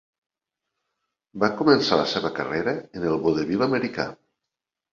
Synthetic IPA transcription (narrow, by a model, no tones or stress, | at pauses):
bakumənsaləseβəkəreɾəənəlˠβoðeβiləməɾika̰